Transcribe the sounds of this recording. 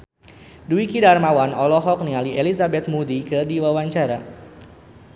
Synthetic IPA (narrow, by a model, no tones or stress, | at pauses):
duikidarmawanɔlɔɦɔk̚nialiʔelizabɛt̪̚mudikɨrdiwawaɲt͡ʃaɾa